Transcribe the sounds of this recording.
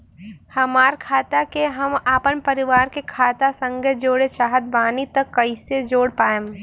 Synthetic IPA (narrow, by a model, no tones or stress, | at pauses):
hɐmaːɾkʰaːt̪akeɦɐmaːpənpɐɾɪʋaːɾkekʰaːt̪asə̃ŋɡed͡ʒoːɽet͡ʃaːɦət̪̚baːnit̪ɐkːɐised͡ʒoːɽpaːem